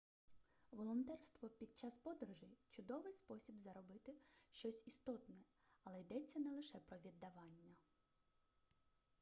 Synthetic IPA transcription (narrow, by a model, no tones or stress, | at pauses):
ʋɔlˠɔnt̪ɛrst̪ʋɔpʲid̪̚t͡ʃɑspɔd̪ɾʊʒɪjt͡ʃʊd̪ɔʋɪjspɔsʲibzɐɾɔbɪt̪ɪʃt͡ʃɔsʲist̪ɔt̪nɛ | ɐlˠɛjd̪ɛt͡sʲːɐnɛlˠɪʃɛpɾɔʋʲid̪ːɐʋɑnʲːɐ